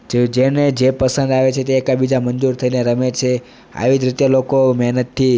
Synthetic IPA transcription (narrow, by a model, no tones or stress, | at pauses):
d͡ʒd͡ʒened͡ʒepəsə̃nd̪aʋet͡ʃʰet̪eːkabid͡ʒamənd͡ʒuɾt̪ʰəineɾəmet͡ʃʰe | a̰ʋid͡ʒɾɪt̪jalokomɛɦnət̪ʰːi